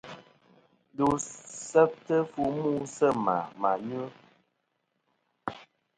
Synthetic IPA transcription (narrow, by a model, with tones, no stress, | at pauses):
du˨sɛ˦p̚tə˦fu˦mu˦sə˦ma̰˨ma˨ɲu˦